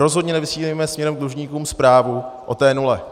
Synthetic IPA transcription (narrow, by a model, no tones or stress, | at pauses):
ɾo̞zɦodɲɛnɛvɪsiːliːmɛsmɲɛɾɛmɡ̚d̪luʒɲiːkuːmspɾaːvuʔot̪ɛːnulɛ